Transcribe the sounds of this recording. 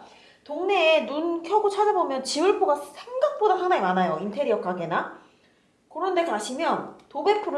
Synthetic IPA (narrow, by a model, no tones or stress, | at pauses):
toŋne̞ːnunkʰjʌɡot͡ɕʰad͡ʑabomjʌnt͡ɕiɯɭpʰoɡasʰeŋɡak̚p͈odasanaimanajointʰe̞ɾijʌk͈ʰaɡe̞na | kɯɾʌnde̞taɕʰimjʌntobe̞pʰuɾɯ